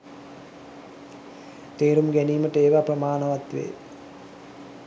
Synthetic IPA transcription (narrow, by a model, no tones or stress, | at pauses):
t̪eːɾumɡæniːməʈəeːʋaprɾəmaːnəʋat̪ʋḛː